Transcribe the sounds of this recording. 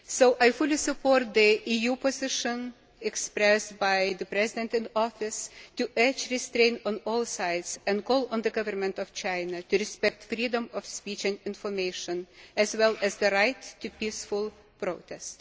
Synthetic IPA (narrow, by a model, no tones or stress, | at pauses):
soʊʔaɪfulˠisɨpʰɔɹt̪̚ðiijupɔzɪʃə̃n | ɛkspɹɛstbaɪðɨpɹɛzɪdɛ̃ntɨ̃nɔfɪstuʔɛt͡ʃɹɪstɹẽɪ̃nɔ̃nɔlˠsaɪdzɛ̃n̚kʰɔlˠə̃nðɨɡʌvə˞mɨ̃ntɔv̥t͡ʃãɪnətuɹɪspɛk̚tfɹidə̃mɔfspit͡ʃɨ̃ndɪ̃nfɔɹmeɪʃə̃nɨzwɛlˠæzðɨɹaɪtʰːɨpisfʊlˠ | pɹoʊtʰɛst